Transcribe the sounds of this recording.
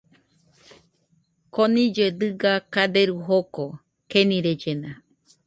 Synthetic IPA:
konĩd͡ʒed̪ɨɡakad̪eɾuɦoko | kenĩɾed͡ʒena

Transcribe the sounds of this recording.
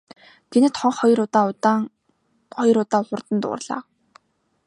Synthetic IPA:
ɡ̥enɘ̆t̪χɔɴχɔjɾʊt̪aːt̪a | χɔjɞ̆ɾʊt̪aːʊχʊ̆rt̪ə̆nt̪ʊ̰ːrɮa̰ː

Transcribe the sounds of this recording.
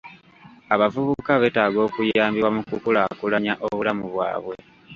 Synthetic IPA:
aβavuβukaβe̞taːɡo̞ːkujaːmbiwamukukulakulaɲaʔo̞βulamuβwa̰ːβwe̞

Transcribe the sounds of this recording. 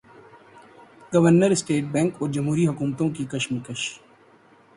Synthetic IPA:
ɡɐʋəɾnəɾɪsʈeːʈ̚bɛ̃ːŋkoːɾd͡ʒɐmɦuːɾiɦʊkuːmt̪õːkikɐʃmikəʃ

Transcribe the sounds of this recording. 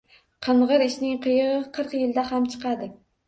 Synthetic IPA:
qʰɨɴʁɨɾɪʃnɪŋqʰɨjʁɨqʰɨɾqjɪld̪ahamt͡ʃʰɨ̥qʰɑd̪ɪ

